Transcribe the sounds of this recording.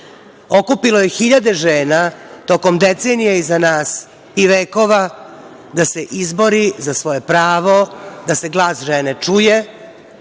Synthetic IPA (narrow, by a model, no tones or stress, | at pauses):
o̞kupiloje̞xiʎad̪e̞ʒeːnat̪oko̞md̪et̪seːnijaizanaːs | iʋeːko̞ʋa | d̪aseʔizbo̞ɾizasʋo̞je̞pɾaːʋo̞d̪ase̞ɡlˠaːsʒenet͡ʂuje